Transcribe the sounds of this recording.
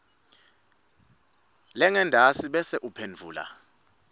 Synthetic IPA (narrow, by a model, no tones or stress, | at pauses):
lɛŋɛndʱasiɓɛsɛʔupʰend͡vʱuːla̰